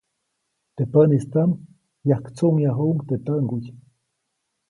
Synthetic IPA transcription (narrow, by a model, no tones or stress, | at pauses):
t̪epənist̪am | jahkt͡suʔŋjaɦuʔŋt̪et̪əŋɡuj